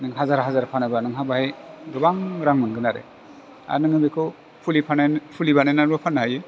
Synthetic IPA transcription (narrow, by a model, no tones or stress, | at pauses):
nɯŋɦazaɾɦazaɾpʰanɯbanɯŋɦabahejdɯbaŋɾaŋmɯŋɡɯnaɾḛ | a̰ɾnɯŋɯbikʰɔ | pʰulipʰanpʰulibanajnaɾbapʰanːaɦaje